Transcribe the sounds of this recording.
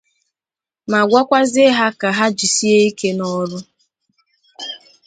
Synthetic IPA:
ma˨ɡʷa˦kʷa˦zɪ˦ɦa˦ka˨ɦa˦d͡ʒi˨si˦e˦i˦ke˦nɔ˦ɾʊ˦

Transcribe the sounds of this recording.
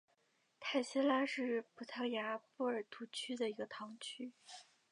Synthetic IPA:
t̪ʰa˥˩ɪɕɛ˥la˥ʂɻ̩˥˩pʰu˨˩t̪ʰɑ˥˩ja˧˥pu˥˩ə˞˨˩t̪ʰu˧˥t͡ɕʰy˥d̪ə˨i˧˥ɡə˧t̪ʰɑ˧˥ŋt͡ɕʰy˥

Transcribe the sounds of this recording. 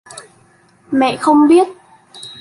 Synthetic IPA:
mɛ̰˧˨xə˧wŋ͡mɓi˦˥ət̚

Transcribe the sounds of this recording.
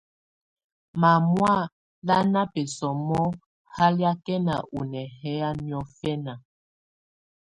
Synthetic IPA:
ma˨mwa˦˨ | la˦na˦pɛ˨sɔ˨mɔ˦ | ha˦lja˦kɛ˦na̰˨ʔu˨nɛ˨hɛ˦a˦mjɔ˦fɛ˦na˨

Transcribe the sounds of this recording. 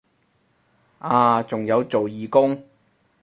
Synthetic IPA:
aː˧t͡sʊ˨ŋjɐ˨˧wt͡so˨wjiː˨kʊ˥ŋ

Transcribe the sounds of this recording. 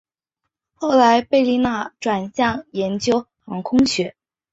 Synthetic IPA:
xo˥˩ʊla˧˥ɪpe˥˧ɪli˥˧na˥˩ʈ͡ʂwa˨˩nɕjɑ˥˩ŋjɛ˧˥nt͡ɕjo˥ʊ | xɑ˧˥ŋkʰʊ˥ŋɕɥɛ˧˥

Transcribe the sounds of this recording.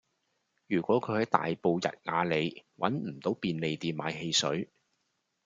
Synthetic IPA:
jyː˨˩kʷɔː˨˥kʰɵ˨˧ɥhɐ˨˧jt̪a̰ː˨jpo˧wjɐ̰˨t̚ŋaː˨˧le˨˧jwɐ˨˥nm̩˨˩t̪o˨˥wpiː˧nle˨˧jt̪iː˨˧nmaː˨˥jɦe˧jsɵ̰˨˥ɥ

